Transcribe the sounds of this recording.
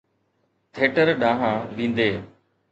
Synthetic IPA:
t̪ʰeːʈəɾɗãːɦãːʋĩːnd̪eː

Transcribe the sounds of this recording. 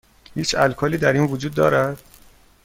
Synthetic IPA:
hiːt͡ʃʰælkʰɒːliːd̪æɾiːnvod͡ʒuːd̪ːɒ̰ːɾæd̪̥

